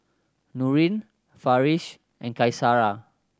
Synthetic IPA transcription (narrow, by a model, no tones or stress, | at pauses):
nuɹĩn | faɹiʃ | ʔɛ̃nkajsaɹa